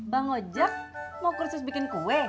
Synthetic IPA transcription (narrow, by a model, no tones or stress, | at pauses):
baŋod͡ʒak̚makursʊs̬bikɪnkuɛ